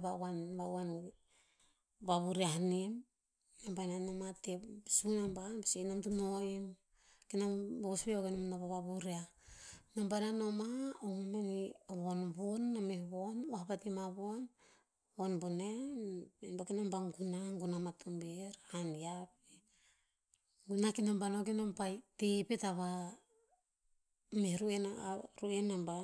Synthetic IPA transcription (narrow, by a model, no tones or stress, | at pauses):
baanbaan | βaβuɾiahanim | nambajnanamatesunambanbesenamtunoim | kinamboβosbeokenamnaβaβaβuɾianambananomaohumeniβonbunːamehβonahapatimaβon | βonbunenenbakinambaŋɡunaŋɡunamatʰombeɾaaniape | ɡunakinambanokinompajtepetaβa | meɾuenɾuenamba